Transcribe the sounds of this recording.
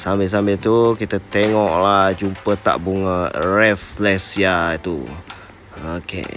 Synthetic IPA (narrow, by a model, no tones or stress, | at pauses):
sambes̬ambet̪ukit̪ət̪eŋɔʔlad͡ʒumpət̪a̰ʔbuŋərɛflɛsjait̪u | okḛ